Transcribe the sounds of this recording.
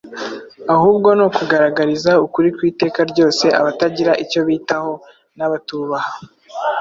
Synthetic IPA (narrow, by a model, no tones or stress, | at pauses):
ahuːb̚ɡo̞nokuɡaɾaɡaɾizaukuɾikwiːte̞ːkaɾɟo̞ːse̞ʔa̰βataɟiɾaʔico̞βiːtaho̞ | naβatuːβaha